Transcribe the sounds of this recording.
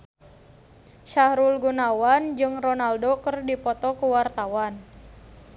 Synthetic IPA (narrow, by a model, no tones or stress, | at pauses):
ʃahɾulɡunawand͡ʒɨŋrɔnaldokərdipɔt̪ɔkuwart̪awan